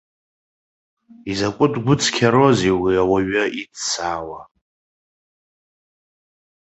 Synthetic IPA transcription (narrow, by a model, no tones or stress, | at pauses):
izakʷʼʊtʼɡʷʊt͡sʰkʲʰaɾoziwiawaɥaʔidt͡sʰaːwa